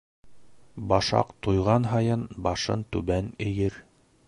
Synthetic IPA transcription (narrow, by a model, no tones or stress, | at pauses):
bɑʃɑ̰qt̪ojʁɑnɦɑjɤnbɑʃɤ̰nt̪ʉbænɘ̆jɘɾ